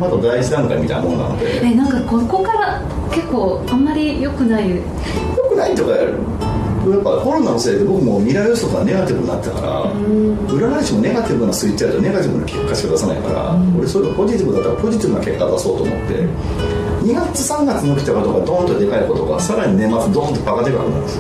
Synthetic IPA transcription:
mat̪od̪aiʑid̪ãŋkaḭmit̪a̰ḭnamonna̰no̰d̪ḛenãŋkakoko̞kaɾa | ke̞kːo̞ː | ãmːaɾʲijo̞kɯ̟nai | jo̞kɯ̟nait̪o̞kaa̰ɾɯ̰ | ojapːaho̞ɾo̞nano̞se̞ːd̪e̞bo̞kɯmo̞mʲiɾaɯst̪okaɡane̞ɡat̪ʲibɯ̟ɲina̰t̪ːaka̰ɾa̰ | ɯ̟ɾanaɾʲiɕimo̞ne̞ɡat̪ʲibɯ̟nasɨit͡ɕaɯ̟t̪one̞ɡat̪ʲibɯ̟na̰kʰe̞kːaɕiɡad̪asana̰ikaɾa̰o̞ɾe̞so̞ɾeɡapo̞ʑit̪ibɯ̟d̪at̪ːaɾapo̞ʑit̪ibɯ̟nake̞kːad̪aso̞ːt̪o̞̰ːmo̞̰t̪ːe̞̰ | ɲ̟iɡat͡sɨsãŋɡat͡sɨɲiokʲit̪akot̪oɡad̪õ̞nt̪od̪e̞kaiko̞t̪o̞ɡa̰saɾaɲ̟ine̞mat͡sɨd̪õnt̪opaɡat̪ekɯa̰ɾɯnã̰d̪e

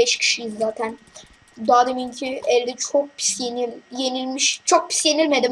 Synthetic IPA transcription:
ɛʃcʰi̥ʃijizːaːt̪ʰæn | d̪aːd̪emincʰiɛlʲd̪ɛt͡ʃʰok̚pʰi̥sjenilʲje̞nilʲmiʃt͡ʃʰok̚pʰi̥sje̞nilʲmed̪im

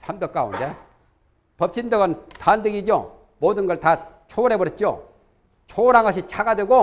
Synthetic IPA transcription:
sʰamdʌk͈aṵnde | pʌp̚t͡ɕ͈ʰindʌɡʌntandɯɡid͡ʑjo̰ | modɯnɡʌɭtat͡ɕʰoɾe̞bʌɾet̚t͡ɕ͈jo̰ | t͡ɕʰoɾaŋaɕʰit͡ɕʰaɡadweɡo

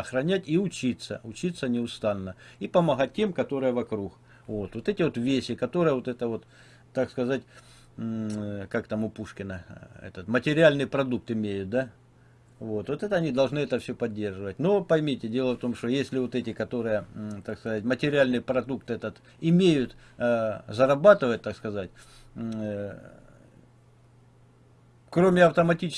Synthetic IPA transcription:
ɐxɾɐnʲætʲiʊt͡ɕit̪sə̰ʊt͡ɕit̪sːənʲɪʊst̪anːəipəmɐɣat̚ʲtʲːe̞mkɐt̪o̞ɾɨjəvɐkɾux | vo̞t̪vo̞t̪ɛtʲɪvo̞t̪vʲesʲɪkɐt̪o̞ɾɨjəvot̪ɛt̪əvo̞t̪ | t̪ːakskɐzat̚ʲ | kakt̪amʊpuʂkʲɪnəɛ̰t̪ət̪mətʲɪɾʲɪalʲnɨjpɾɐd̪uk̚t̪ɪmʲejʊt̪̚d̪a | vo̞t̪vo̞t̪ɛt̪əɐnʲid̪ɐlˠʐnɨɛt̪əfsʲɵpɐdʲːe̞rʐɨvətʲnopɐjmʲitʲɪdʲe̞lˠəft̪o̞mʂt̪ojesʲlʲɪvo̞t̪ɛtʲɪkɐt̪o̞ɾɨjət̪akskɐzatʲmətʲɪɾʲɪalʲnɨjpɾɐd̪ukt̪ɛt̪ət̪ | ɪmʲejʊt̪ | zəɾɐbat̪ɨvət̪ːakskɐzatʲ | kɾo̞mʲɪɐft̪əmɐtʲit͡ɕɪ

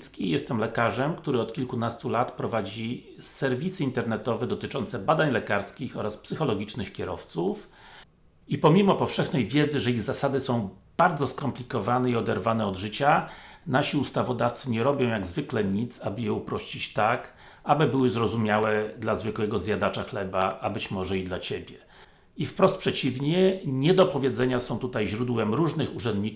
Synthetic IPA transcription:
t̪skʲijɛst̪ɛmlɛkaʐɛmkt̪uɾɘɔt̪kʲilkunast̪ulat̪pɾɔvad͡ʑi | sɛɾvʲisɘint̪ɛɾnɛt̪ɔvɛd̪ɔt̪ɘt͡ʂɔnt̪sɛbad̪aɲlɛkaɾskʲixɔɾaspsɘxɔlɔɡʲit͡ʂnɘxkʲɛɾɔ̰ft̪suf | ipɔmʲimɔpɔfʂɛxnɛjvʲjɛd̪zɘʐɛiɣzasad̪ɘsɔ̃w̃b̥aɾd̪zɔskɔmplʲikɔvanɛiɔd̪ɛɾvanɛɔd̪ʐɘt͡ɕanaɕiust̪avɔd̪aft̪sɘɲɛɾɔbʲjɔ̃w̃jaɡzvɘklɛɲit̪sabɘjɛupɾɔɕt͡ɕit͡ɕt̪ak | abɘbɘwɘzɾɔzumʲjawɛd̪lazvɘkwɛɡɔzʲjad̪at͡ʂaxlɛbaʔːbɘt͡ɕmɔʐɛid̪lat͡ɕebʲjɛ | ifpɾɔst̪pʂɛt͡ɕivɲɛɲɛd̪ɔpɔvʲjɛd̪zɛɲasɔ̃w̃t̪ut̪ajʑɾud̪wɛmɾuʐnɘxuʐɛnd̪ɲi

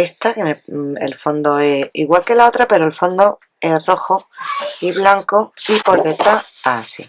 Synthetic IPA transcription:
e̞st̪akemeḛlfo̞nd̪oeḭɣwalke̞lao̞t̪ɾape̞ɾoelfo̞nd̪o | e̞sro̞xoiβlaŋkoipoɾket̪aasḭ

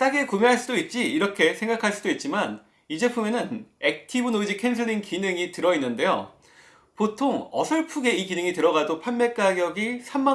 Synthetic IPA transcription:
t͈aɡe̞kumjeɦaɭs͈udoit̚t͡ɕ͈iːɾʌkʰe̞sʰe̞ŋɡakʰaɭs͈udoit̚t͡ɕ͈iman | id͡ʑe̞pʰumjʌnɯne̞k̚tʰibunod͡ʑikʰensʰɯɾiŋkinɯŋitɯɾʌinːɯnde̞jo̰ | potʰoŋʌsʰʌɭpʰuɡe̞ikinɯŋitɯɾʌɣadopʰanːe̞k͈aɡjʌɡisʰamːa

